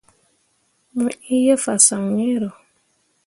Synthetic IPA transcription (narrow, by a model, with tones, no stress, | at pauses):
mʊ˨i˦je˦fa˨sa˨ŋe˦ɾo˨